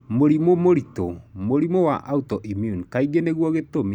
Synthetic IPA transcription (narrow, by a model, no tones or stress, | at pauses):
moɾimomoɾito̰moɾimowa̰ʔautɔʔimjunkaiɣeneɣwɔɣetome